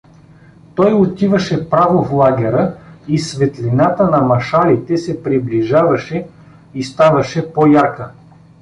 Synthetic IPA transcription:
t̪ɔjot̪ivəʃɛpɾavoflˠaɡʲɛɾəisvɛt̪linat̪ənɐmɐʃalit̪ɛsɛpɾibliʒavɐʃɛ | ist̪avɐʃɛpojakə

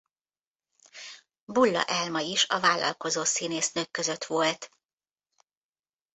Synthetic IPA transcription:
bulːɒ̰ʔɛlmɒiʃɒvaːlːɒ̰lko̞zoːsiːneːsnøkːøzø̞t̪ʋo̞lt̪

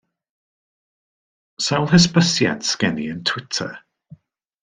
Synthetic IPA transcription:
salˠɦɪspəsjɛ̰nsɡ̥ɛnḭɪ̃ntʰw̥ɪtʰə̰

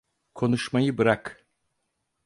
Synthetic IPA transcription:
kʰo̞nuʃmajɯbɯɾak

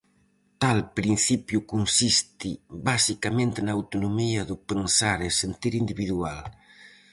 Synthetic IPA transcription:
t̪alpɾin̟θipjʊkunsist̪ɪβasikamẽnt̪ɪnaːwt̪onomiɐðʊpensaɾesent̪iɾind̪iβiðual

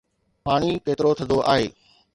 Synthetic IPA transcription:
paːɽ̃iːkeːt̪ɪɾot̪ʰə̃d̪oʔa̰ːɦeː

